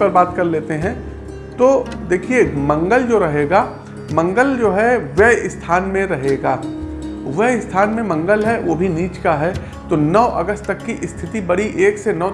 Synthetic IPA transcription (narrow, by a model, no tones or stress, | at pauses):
pɐɾbaːt̪kɐɾleːt̪eɦɛ̃ | t̪oːd̪eːkʰiemɐ̃ŋɡəld͡ʒoːɾɐɦeːɡaː | mɐ̃ŋɡəld͡ʒoːɦɛʋɛɦɪst̪ʰaːnmẽɾɐɦeːɡaː | ʋɛɦɪst̪ʰaːnmẽmɐ̃ŋɡəlɦɛʋoːbʱiniːt͡ʃkaɦɛ | t̪onɔːʔɐ̰ɡəst̪t̪ɐkːiʔɪst̪ʰɪt̪ibɐɽiʔeːksenɔː